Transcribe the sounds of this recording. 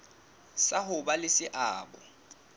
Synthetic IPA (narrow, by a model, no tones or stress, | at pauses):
saɦʊbalɪsɪʔaːbɔ̰